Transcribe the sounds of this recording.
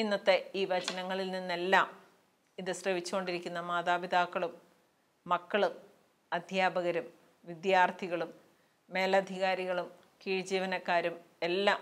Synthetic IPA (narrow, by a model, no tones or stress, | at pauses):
inːɐt̪ːeiːʋɐt͡ɕɐnɐŋːɐɭilninːe̞lːaːm | iðɨsrɐʋit͡ɕːuɣo̞ɳɖiɾikʲːunːɐmaːðaːbid̪aːkːɐɭumː | ɐkːɐɭum | ɐd̪ʱjaːbɐɣɐɾum | ʋid̪jaːrt̪ʰiɣɐɭumː | e̞ːlɐd̪ʱiɣaːɾiɣɐɭum | kiːɻd͡ʑiːʋɐnɐkːaːɾum | e̞lːaːm